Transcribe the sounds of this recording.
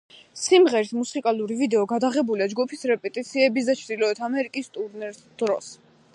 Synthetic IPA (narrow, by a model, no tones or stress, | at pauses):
simʁɛɾismusikʼalˠuɾivid̪ɛɔɡad̪aʁɛbuliad͡ʒɡupʰisɾɛpʼɛt̪ʼit̪sʰiɛbisd̪at͡ʃʰɾd̪ilɔɛt̪ʰamɛɾikʼist̪ʼuɾnɛɾd̪̥ɾɔ̰s